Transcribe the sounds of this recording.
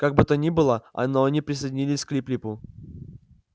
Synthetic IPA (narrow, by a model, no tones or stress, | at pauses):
kaɡ̚bɨt̪ənʲibɨlˠəɐ̰noɐnʲipɾʲɪsəjdʲɪnʲilʲɪsʲklʲiplʲipʊ